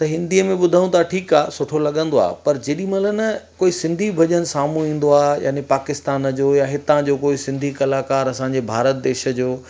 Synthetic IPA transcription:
t̪ɐɦɪ̃nd̪iəmẽɓʊd̪ʱaũt̪ʰaʈʰiːkaːsʊʈʰolɐɠə̃nd̪oa̰ːpɐɾd͡ʑeːɗĩmɐlənəkoːisɪ̃nd̪ʱibʱɐʄənsaːmũĩːn̆d̪oaːja̰ːnepaːkɪst̪aːnd͡ʑoːjaɦɪt̪ãd͡ʑoːkoːisɪ̃nd̪ʱikɐlaːkaːɾɐsãːɲd͡ʑebʱaːɾət̪̚d̪eːʃə̆d͡ʑoː

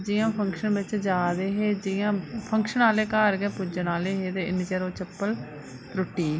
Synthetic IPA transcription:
d͡ʒɪjãːpʰəŋkʃənbɪt͡ʃd͡ʒaːd̪eːɦeːd͡ʒɪjãːpʰəŋkʃənaːleːkaːɾɡɛːpʊd͡ʒənaːleːɦeːt̪eːɪniːt͡ʃəɾoːt͡ʃəpːəl | ɾʊʈːiː

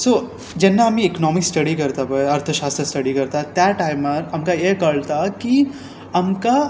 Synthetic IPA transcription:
soː | d͡ʒɛnːaɦɐmiɛknɔːmɪksʈɐɽikɐɾt̪aboɐɾt̪ʰəʃaːst̪ɾəsʈɐɖikɐɾt̪at̪ɛʈːaɪmpɐɾɐmkajekɐɭt̪aki | ɐmka

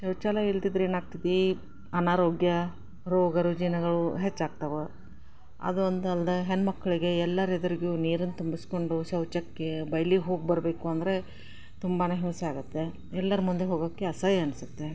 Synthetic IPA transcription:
ʃɐwt͡ʃaːlɐiɭt̪id̪ɾe̞ːnaːɡ̚t̪id̪e | ɐnaːɾo̞ːɡjɐ | ɾoːɡɐɾud͡ʒinɐɡɐɭuɦet͡ʃːaːɡ̚t̪ɐʋu | ɐ̰d̪uond̪ɐld̪ɐɦenmɐkːɐɭiɡe̞ɛlːɐɾed̪ɐɾiɡjuniːɾɐnt̪umbisko̞ɳɖuʃɐwt͡ʃɐkːe̞bɐjliɦo̞ːɡ̚bɐɾbe̞ːkuɐnd̪ɐɾe̞ | t̪umbɐneɦimsɐaːɡut̪ːe̞ | ɛlːɐɾmund̪eɦoːɡoːkːeɐsɐjɐnsut̪ːe̞

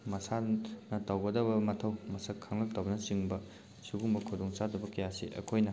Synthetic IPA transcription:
mɐsʰanɐtawɡɐdɐbɐmɐtʰɐwmɐsɐkʰːaŋlɐk̚tɐwbɐnɐsiŋbɐ | suɡuŋbɐkʰudoŋt͡ʃadɐbɐkɐjasiʔɐ̰kʰojnɐ

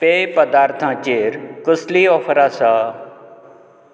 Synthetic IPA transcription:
peːpəd̪aːɾt̪ʰãːt͡ɕeːɾkəsliɔːfʰəɾaːsa

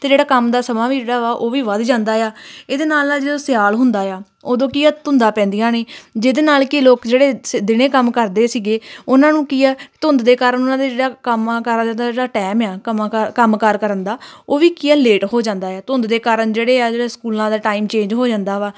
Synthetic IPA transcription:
t̪eːd͡ʒeːɽaːkəmd̪aːsəmaːʋiːd͡ʒeːɽaːʋaːʔoːʋiːʋəd̪d͡ʒãːnd̪aːjaːeːd̪eːnaːlnaːd͡ʒeːd̪õːsɪjaːlɦʊnd̪aːjaː | oːd̪õːkiːaːt̪ʊnd̪aːpɛ̃ːnd̪ijãːneːd͡ʒed̪eːnaːlkɪloːkd͡ʒeːɽeːsd̪ɪnẽːkəmkəɾd̪eːsiːɡeːʊnãːnũːkiːɛːt̪ʊnd̪d̪eːkaːɾənʊnãːd̪eːd͡ʒeːɽaːkəmːkəɾad͡ʒãːnd̪aːd͡ʒeːɽaːʈɛːmjaːkəmːkəmkəɾkəɾənd̪aːoːʋiːkiːɛːleːʈɦoːd͡ʒãːnd̪aːjaːt̪ʊnd̪d̪eːkaːɾəɳd͡ʒeːɽeːaːd͡ʒeːɽaːskuːlãːd̪aːʈaːiːmt͡ʃẽːɲd͡ʒɦoːd͡ʒãːnd̪aːʋaː

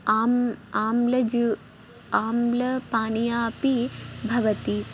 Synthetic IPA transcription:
aːmaːmlɐd͡ʒ | aːmlɐpaːnijaːpibʱɐʋɐt̪i

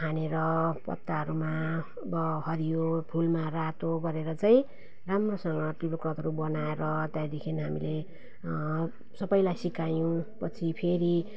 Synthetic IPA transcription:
ɦaneɾʌpʌ̰t̪ːaɦʌɾuma | bʌɦʌɾijopʰulmarat̪oɡʌɾeɾʌt͡saĩ | ramrosʌŋɡʌʈripokrʌt̪ɦʌɾubʌnaeɾʌt̪jajd̪ekʰiniɦamile | sʌbʌjlajsikajõpʌt͡sʰipʰeɾi

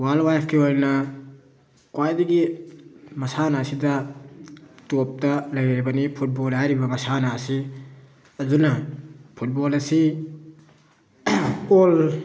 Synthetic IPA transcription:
walwajpʰkʰiojnɐ | kwajdiɡi | mɐsanasidɐ | top̚tɐlɐjɾibɐnipʰut̚bolɦajɾibɐmɐsanasi | ɐzunɐpʰut̚bolɐsi | ol

